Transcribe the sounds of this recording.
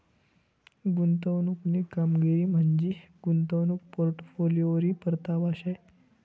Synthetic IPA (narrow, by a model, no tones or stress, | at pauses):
ɡunt̪əwnuknekamɡieiːm̤əɳd͡ʑiɡ̥unt̪əwnuk̚poɾʈfolijoʋɾipəɾt̪abaɕaj